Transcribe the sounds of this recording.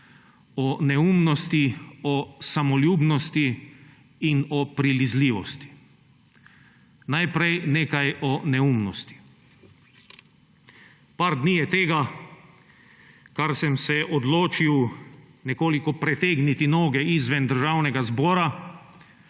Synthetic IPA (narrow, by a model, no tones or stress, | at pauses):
ɔnɛuːmnɔst̪iɔsamɔljuːbnɔst̪iː | nɔpɾilizliːʋɔst̪i̥ | najpɾɛjneːkajʔɔnɛumnɔst̪i̥ | paɾd̪nijɛt̪eːɡa | kaɾsɛmsɛʔɔd̪loːt͡ʃiw | nɛkoːlikɔpɾɛt̪eːɡnit̪inoːɡɛizʋɛnd̪əɾʒaːwnɛɡazbɔːɾa